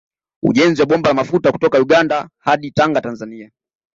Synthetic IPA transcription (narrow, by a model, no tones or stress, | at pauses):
ṵʄɛnziwaɓɔmbalamafutaku̥tɔkajuɠandahaɗitaŋɡatanzania